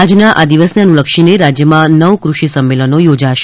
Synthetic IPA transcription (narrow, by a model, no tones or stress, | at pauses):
ad͡ʒnaʔad̪iʋəsnanũləkʃineɾad͡ʒjəmãnəʋkɾuʃisəmːelənojod͡ʒaʃ